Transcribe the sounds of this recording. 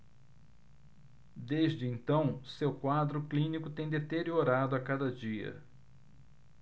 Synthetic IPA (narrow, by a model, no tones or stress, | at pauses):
d̪eʒd͡ʒɪẽnt̪ɐ̃w̃sewkwad̪ɾʊklĩnikʊt̪ẽj̃d̪et̪eɾioɾad̪ʊakad̪ɐd͡ʒiɐ̰